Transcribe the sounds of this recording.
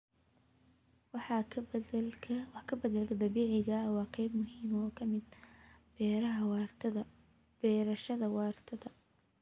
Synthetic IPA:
wɑħɑ | wɑħkʰɐbɐd̪ɐlkʰɐd̪ɐβiːʕɪɣɐwɑːqɑjb̚mʊhiːmɔːkʰɐmɪd̪̚bɛːɾɐɦɐwɐ | bɛːɾɐʃɐðɐwɑːrt̪ʰɐðɐ

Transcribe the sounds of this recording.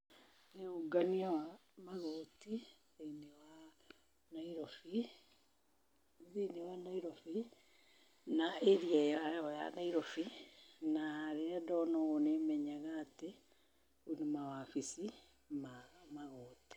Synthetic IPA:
neoɡaniawamaɣɔti | ainewa | naiɾɔfi | ðinewanaiɾɔfi | naeɾiaajɔja̰naiɾɔfinaɾeadɔnɔɣonemɛɲaɣaːte | onemawafisi | mamaɣɔːti̥

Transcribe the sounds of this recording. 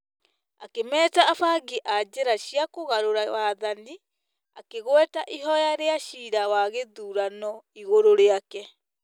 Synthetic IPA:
a̰kemɛːtaːfaɡiʔad͡ʑeɾaɕiakoɣaɾoɾawaðani | akeɣwɛtaʔiɦɔjaɾeaɕiːɾawaɣeðuːɾanɔiɣoɾoɾeakɛ

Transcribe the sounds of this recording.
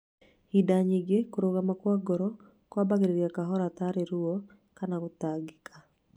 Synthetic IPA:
hidaɲiɡekoɾoɣamakwaɡɔɾɔ | kwabaɣeɾeɾjakaɦɔɾat̪aɾeɾuɔ | kanaɣotaɡɪkʰa

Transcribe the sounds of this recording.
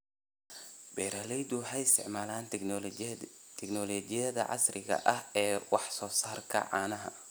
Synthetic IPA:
bɛːɾalɛjd̪ʊħɛjɪst̪ʰɪɛ̰ʕmaːlaːn | t̪ʰɛknɔːlɔːd͡ʒɪjɐðɐ̰ʕɑ̰srɪɣɐ̰ʔɐhɛːwɑħsɔːsaːrkʰɐ̰ʕɑːnɐɦɐ̰

